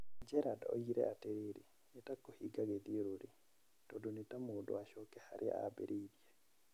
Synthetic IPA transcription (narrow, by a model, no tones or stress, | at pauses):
ɲd͡ʒɛɾadao̰iɾɛ̰ʔateɾiɾi | nitakohiɡaɡeðiɾuɾi | tɔdunitamoːdo̰aʃɔkɛha̰ɾʔia̰bḛɾʔiðje